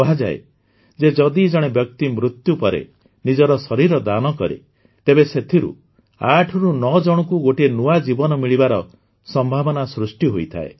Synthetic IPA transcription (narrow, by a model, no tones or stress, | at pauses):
ɔɦad͡ʒa̰ḛ | d͡ʒed͡ʒɔd̪id͡ʒɔɽ̃ebjɔkt̪imɾut̪jupɔɾḛ | nid͡ʒɔɾɔsɔɾiɾɔd̪anɔkɔɾḛ | t̪ebeset̪ʰiɾṵ | aʈʰɔɾunɔd͡ʒɔɽ̃ɔkuɡoʈenuad͡ʒibɔnɔmiɭibaɾɔ | sɔmbʱabɔnasɾusʈiɦojt̪ʰa̰ḛ